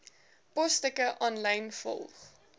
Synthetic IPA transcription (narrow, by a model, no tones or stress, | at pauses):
pɔstəkəʔɑːnləjnfɔ̰lˠχ